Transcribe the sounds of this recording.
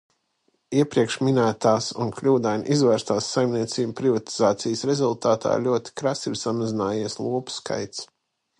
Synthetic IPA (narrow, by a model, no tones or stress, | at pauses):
iɛpɾiɛkʃminæːt̪aːsunklʲuːd̪ajnʲʔizvæːɾst̪aːsːajmniɛt̪siːbpɾivat̪i̥zaːt̪sijsɾɛzulˠt̪aːt̪ʰa̰ːɾlʲuɔt̪i̥kɾasiɾsamazinaːjiɛslˠuɔpu̥ska̰jt̪s